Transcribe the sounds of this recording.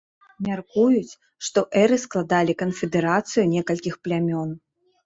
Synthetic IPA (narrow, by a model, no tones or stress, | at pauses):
mʲarkujut͡sʲ | ʂt̪ɔʔɛɾɨsklˠad̪alʲikɐnfʲɛd̪ɛɾat̪sɨjunʲɛkɐlʲkʲixplʲamʲɔn